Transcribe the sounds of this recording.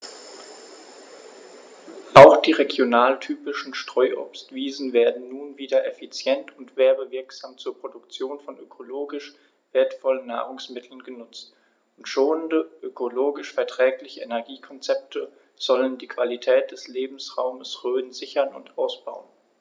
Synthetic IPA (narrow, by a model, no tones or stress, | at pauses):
ʔaʊxd̥iːʁeɡjonaːltʰyːpɪʃn̩ʃtʁ̥ɔʏʔʊ̰pstv̥iːzn̩veːɐdn̩ːnuːnviːdɐʔɛfit͡sjɛntʰʊntv̥eːɐbəvɪɐkz̥aːmt͡suːɐpʁ̥odʊkt͡sjoːnfɔnʔøkʰoloːɡɪʃ | v̥eːɐtfɔlənːa̰ːʁʊŋsmɪtʰl̩nɡənʊt͡st | ʊntʃoːnəndəʔøkʰoloːɡɪʃfɛɐtʁ̥ɛːklɪçəenɛɐɡiːkʰɔnt͡sɛp̚tʰə | z̥ɔləndiːkv̥alitʰɛːt̚d̥ɛsleːbm̩sʁaʊməsʁøːnzɪçɐnʊ̰ntʔaʊsb̥a̰ʊən